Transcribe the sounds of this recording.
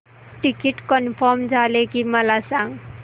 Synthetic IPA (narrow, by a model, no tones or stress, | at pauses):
ʈikiʈkʌnpʰʌmd͡zalekimʌlasaŋ